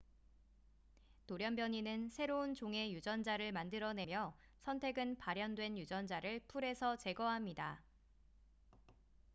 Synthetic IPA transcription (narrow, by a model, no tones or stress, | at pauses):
toɾjʌnbjʌɲinɯnsʰe̞ɾount͡ɕoŋe̞jud͡ʑʌnd͡ʑaɾɯɭmandɯɾʌne̞mjʌ | sʰʌntʰe̞ɡɯnpaɾjʌndwe̞njud͡ʑʌnd͡ʑaɾɯɭpʰuɾe̞sʰʌt͡ɕe̞ɡʌɦamɲida